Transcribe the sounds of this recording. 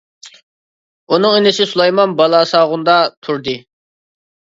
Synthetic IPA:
unɨŋenɪsɪsulˠɑjmɑnbɑlˠɑːsɑːʁʊnd̪ɑt̪ʰuɾd̪ɨ

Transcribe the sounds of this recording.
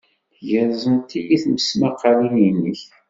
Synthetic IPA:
ʝəɾzənt̪ijiθməsmɑqːɑlijinːəç

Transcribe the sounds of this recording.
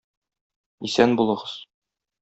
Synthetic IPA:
isænbulˠɤ̆ʁɤz̥

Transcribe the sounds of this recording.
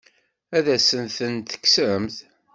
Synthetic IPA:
æðæsənθənt̪ə̥kːsəɾəmθ

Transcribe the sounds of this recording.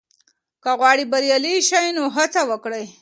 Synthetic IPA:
kaɣwɑɽibaɾjaliʃajnoɦat͡sawəkɽəj

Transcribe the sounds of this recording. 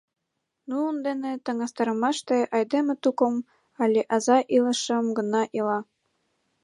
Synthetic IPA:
nuːnd̪enet̪ə̆ŋɑst̪ɑɾəmɑʃt̪eʔɑjd̪emet̪ukŏm | ɑlʲeʔɑzɑʔilə̆ʃə̆mɡə̆nɑʔilɑ

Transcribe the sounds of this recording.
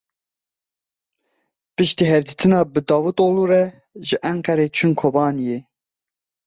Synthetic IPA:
pɨʃt̪iːɦɛvd̪it̪ʰɨnɑːbɨd̪ɑːwut̪oːluɾɛ | ʒɨʔæŋkɛɾeːt͡ʃʰunkʰobɑːnije

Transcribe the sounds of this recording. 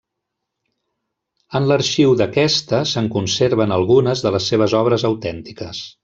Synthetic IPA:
ənləɾʃiwðəkɛst̪əsəŋkunseɾβənəlˠɣunəzðələsːeβ̞əzɔβ̞ɾəzəwt̪ɛnt̪ikəs

